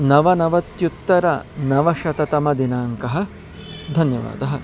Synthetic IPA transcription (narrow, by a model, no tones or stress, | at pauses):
nɐʋɐnɐʋɐt̪jut̪ːɐɾɐnɐʋɐʃɐt̪ɐt̪ɐmɐd̪inaːŋkɐɦɐ̆ | d̪ʱɐnjɐʋa̰ːd̪ɐɦɐ̆